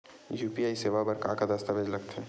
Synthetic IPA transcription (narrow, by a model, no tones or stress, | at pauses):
juːpiaːiseːʋabɐɾkãkad̪ɐst̪aʋed͡ʒlɐɡt̪ɦɛː